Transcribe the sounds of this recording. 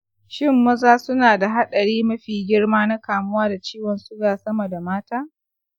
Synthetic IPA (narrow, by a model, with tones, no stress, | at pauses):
ʃɪ˦˨mːɐ˦zaː˦sʊ˦naː˨da˨ɦa˦ɗɐ˨ɽiː˦mɐ˦ɸiː˨ɡʲɪ˦rmaː˦na˦kaː˨mʊ˦waː˦da˨t͡ʃiː˦wɔ˨nsʊ˦ɡaː˨sɐ˦mɐ˨da˨maː˦taː˦